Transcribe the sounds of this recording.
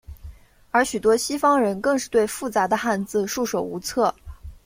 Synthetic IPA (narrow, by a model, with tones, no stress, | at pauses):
ə˞˧˥ɕy˨˩t̪wɔ˥ɕi˥fɑ˥ŋɻə˧˥nkɤ˥˧ŋʂɻ̩˥˧t̪we˥˧ɪfu˥˩t͡sa˧˥d̪ə˧xa˥˧nt͡sɹ̩˥˧ʂu˥˩ʂo˨˩ʊu˧˥t͡sʰɤ˥˩